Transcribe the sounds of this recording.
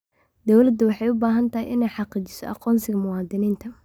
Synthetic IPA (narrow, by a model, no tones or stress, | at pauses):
d̪ɔwlɐd̪ʊwɑħɑjʊbaːɦɐnt̪ʰɐɦɪjʔɪnɛjħɑqiːt͡ʃɪ̥sɔ̰ʔɑ̰qɔːnsɪɣɐmʊwɑːd̪ɪniːnt̪ʰɐ